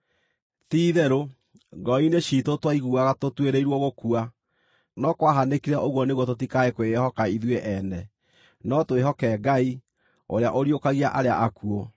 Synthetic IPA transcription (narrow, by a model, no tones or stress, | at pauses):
tiːðɛɾo | ɡɔineɕiːtotwaiɣuaɣatotweɾeiɾwɔɣokua | nɔkwaɦanekiɾɛʔoɣwɔneɣwɔtotikaekwehɔkaiðweʔɛnɛ | nɔtweɦɔkɛɡai | oɾeaʔoɾiokaɣiaʔaɾea̰ʔakuɔ